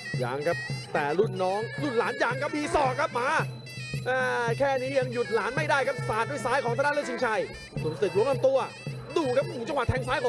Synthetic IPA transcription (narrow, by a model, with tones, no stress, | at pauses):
ja̰ː˨˧˦ŋkʰa˦˥p̚t̪ɛː˨˩lu˥˩nːɔː˦˥ŋlu˥˩nlaː˩˦njaː˧ŋka˦˥p̚diː˧˩sɔː˨˩kʰːa˦˥p̚maː˨˧˥ | ʔaː˧˩kʰɛː˥˩niː˦˥ja˧ŋju˨˩t̪̚laː˨˩˦nma˥˩jdaː˥˩jkʰa˦˥p̚saː˨˩t̪̚wa˧˩jsaː˦˥jkʰɔː˨˦t̪a˧na˥˨lt͡ɕi˧ŋt͡ɕʰa˧˩j | nuː˨˩˦sɯ˨˩k̚lu˦əŋa˧nt̪u˧ɐ | duː˧˩kʰa˦˥p̚u˨˩t͡ɕa˧ŋwa˨˩t̪ʰɛː˧ŋsaː˦˥jkʰɔ˨˦